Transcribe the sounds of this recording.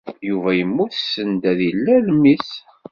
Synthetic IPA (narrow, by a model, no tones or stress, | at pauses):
juvæjəmːuθsːənd̪æðilːælmis